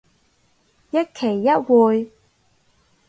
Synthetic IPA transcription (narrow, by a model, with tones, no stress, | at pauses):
jɐ˥t̚kʰe˨˩jːɐ˦˥t̚wuː˨˧j